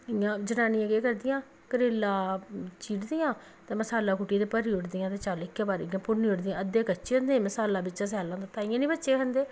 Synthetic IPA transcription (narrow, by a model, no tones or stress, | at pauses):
ɪjãːd͡ʒənaːniːãɡeːkəɾd̪ɪjãː | kəɾeːlːaːt͡ʃiːʈd̪ɪjãː | t̪ẽːməsaːlaːkuʈijat̪eːpəɾiːʊʈd̪ɪjãːt̪eːt͡ʃaːlɪkːẽːbaːɾiɡãːpʊɾniːʊʈd̪ɪjãːəd̪eːkət͡ʃeːɦənd̪ẽːməsaːlːaːbɪt͡ʃːt͡ʃːãːs̬ɛːlãːt̪õːt̪aːɪjãːnĩːbətːʃeːkʰə̃nd̪eː